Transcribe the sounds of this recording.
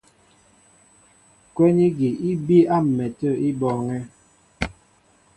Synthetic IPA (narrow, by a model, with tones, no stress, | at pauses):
kwɛ˦ni˦ɡi˨i˦bi˦a˦m̩˨mɛ˨tə˦˨i˦bɔ˨ŋɛ˦